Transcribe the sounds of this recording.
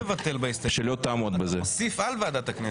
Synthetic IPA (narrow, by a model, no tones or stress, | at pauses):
vat̪e̞lbaist̪aʃelot̪ːaːmod̪bezesifalvad̪at̪akne